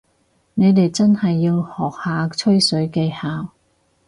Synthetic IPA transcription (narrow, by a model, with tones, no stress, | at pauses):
ne˨˧jt̪e˨jt͡sɐ˥nhɐ˨jːiː˧whɔː˨k̚haː˨˧t͡ʃʰɵ˥ɥsɵ˨˥ɥke˧jhaː˨w